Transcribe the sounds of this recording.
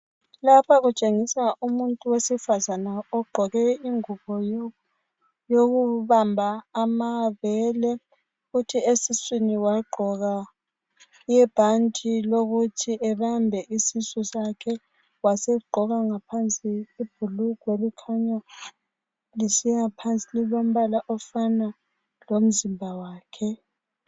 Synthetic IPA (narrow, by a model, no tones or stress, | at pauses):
lapʰaɣut͡ʃʼeŋisaʔumuntʼuwesifazanaɔɡ͡ǃʱɔɣɛiŋuɣɔ | joɣuβambʱaːmaβɛlɛ | futʰiesiswiniwaɡ͡ǃʱɔɣa | jɛb̥ʱantʰʼiloɣutʰiʔɛβambʱɛʔisisɔsakʰɛ | wasɛɡ͡ǃʱɔɣaŋapʰant͡sʼiib̥ʱuluɡ̥ʱwelikʰaɲa | lisiŋapʰant͡sʼililom̩βalaʔɔfana | lom̩zimbʱawaːkʰɛ